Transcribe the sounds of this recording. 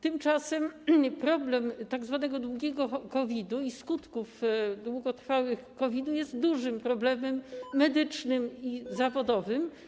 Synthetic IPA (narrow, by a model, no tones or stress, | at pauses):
t̪ɘmt͡ʂasɛmpɾɔblɛmt̪aɡzvanɛɡɔd̪wuɡʲɛɡɔkɔvʲid̪uiskut̪kufd̪wuɡɔt̪ɾfawɘxkɔvʲid̪ujɛst̪d̪uʐɘmpɾɔblɛmɛmːɛd̪ɘt͡ʂnɘmizavɔd̪ɔvɘm